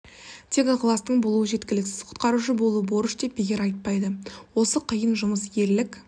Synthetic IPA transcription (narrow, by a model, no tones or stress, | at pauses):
t̪ʰe̞kɑqʰlˠɑst̪əɴbo̞lˠuwəʒe̞t̪kʲɪlɪksɪzqʰʊ̥t̪̚qɑɾuʃəbo̞lˠuəboɾəʃd̪e̞p̚beɡʲeɾɑjt̪̚pɑjd̪əwo̞səqʰəjənʒʊməsje̞ɾlɪkʲ